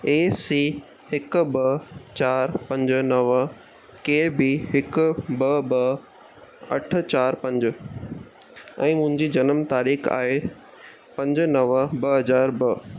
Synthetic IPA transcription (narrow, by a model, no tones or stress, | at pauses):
eːsiː | hɪkbɐt͡ɕaːɾpɐ̃ɲd͡ʑnɐʋə | keːbiɦɪkbɐbɐ | ɐʈ̆ʰt͡ɕaːɾpɐ̃ɲd͡ʑ | ɛ̃ːmʊ̃ɦɪ̃ɲd͡ʑid͡ʑɐnəmt̪aːɾiːxa̰ːɦe | pɐ̃ɲd͡ʑnɐʋəbɐɦɐzaːɾbɐ